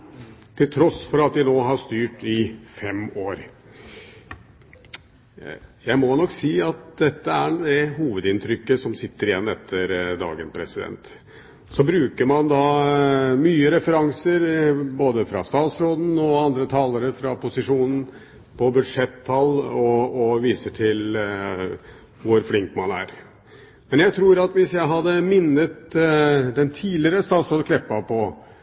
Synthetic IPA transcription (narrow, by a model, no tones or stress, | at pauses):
t̪ʰɪlt̪ʰɾɔsfɔɾɑt̪ʋɪnoːɦɑʂt̪yːʈɪfɛmoːɾ | jæɪmɔnɔkːsiːɑt̪̚d̪ɛt̪ːəæd̪ɛɦuːʋəd̪ɪnt̪ʰɾʏkːəsɔmsɪt̪ːəɾɪjɛnːɛt̪ʰːəɾd̪ɑ̰ːɡənpʰɾɛsɪd̪ɛ̰nt̪ | sɔbɾʉːkəɾmɑnd̪ɑ | myːəɾɛfəɾɑŋsəɾboːd̪əfɾɑ̰st̪ɑːt̪sɾoːd̪n̩ɔɑnd̪ɾət̪ʰɑːləɾəfɾɑpʊsɪʂuːnən̩ | pʰɔbʉd̪ʂɛt̪ʰːɑlɔɔʋiːsəʈʰɪl | ʋʊɾflɪŋkmɑnæ̰ɾ | mɛnjæɪt̪ʰɾuːɾɑt̪ʋɪsjæɪɦɑd̪ːəmɪnːət̪ | d̪ɛnt̪ʰiːlɪəɾəst̪ɑːt̪sɾoːd̪kʰlɛpːɑpʰɔ